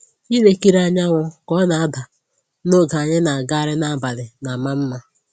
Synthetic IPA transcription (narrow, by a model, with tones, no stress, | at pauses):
i˦le˦ki˦ɾa˨ɲa˦ŋʷʊ˦kɔ˦na˨a˦da˨ | no˦ɡa˨a˨ɲɪ˦na˨ɡa˦ɾɪ˦na˨ba˨lɪ˨na˨ma˦m̩˦ma˦